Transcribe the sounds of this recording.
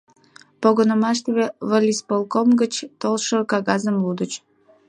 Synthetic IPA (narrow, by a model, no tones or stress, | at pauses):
poɡonomaʃt̪vʲevəlʲispolˠkomɡət͡ɕt̪olˠʃərkaɡɑzə̆mlˠud̪ut͡ɕ